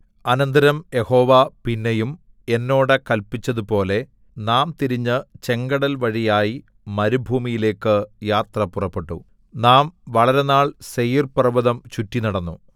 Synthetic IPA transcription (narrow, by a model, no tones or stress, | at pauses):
ɐnɐnd̪ɐɾɐmje̞ho̞ːʋapinːejum | e̞nːo̞ːɽekɐlpit͡ɕːɐðupo̞ːle̞ | naːmt̪iɾiɲːɨt͡ɕe̞ŋɡɐɽɐlʋɐɻijaːji | mɐɾubʱuːmijile̞ːkːɨjaːt̪rɐpurɐpːe̞ʈːṵ | naːmʋɐɭɐɾe̞naːɭsejirprɐʋɐðɐmt͡ɕutːinɐɽɐnːu